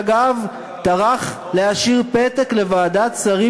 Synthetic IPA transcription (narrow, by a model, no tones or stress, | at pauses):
ɡav | t̪aʁaχ | leaʃiʁpetekle̞vaːdat̪saʁi